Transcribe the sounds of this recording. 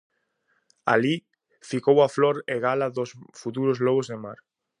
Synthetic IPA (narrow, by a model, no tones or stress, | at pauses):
a̰li | fikowafloɾeɣalaðosfut̪̬uɾozlɔɣ̞ozðema̰ɾ